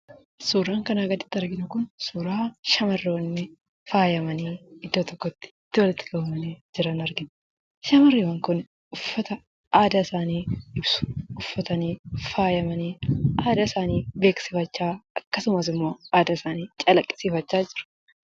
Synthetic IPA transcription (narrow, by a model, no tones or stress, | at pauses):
suːɾaːŋkɐnaːɡɐd̪ɪ̥t̪ːɪɐɾɡɪnʊkʊnsuːɾaːʃɐmɐrːwɐnːɪ | faːjɐmɐniːɪd̪ːoːt̪ɔkːɔt̪ːɪ̥t̪ːɪwɔlɪt̪ːɪ̥ɡɐʊmɐned͡ʒɪɾɐnɐɾɡɪn | ʃɐmɐrːiwɐŋkʊn | ʊfːɐt̪ɐ | ʔaːd̪ɐɪsaːniːɪbsʊ̥ʊfːɐt̪ɐniːfaːjɐmɐniːaːd̪ɐɪsaːniːbe̞ːksɪfɐt͡ʃːaːɐkːɐsʊmɐsɪmːoːaːd̪ɐɪsaːniːt͡ʃʼɐlɐkʼːɪ̥siːfɐt͡ʃːaːd͡ʒɪɾɐ̥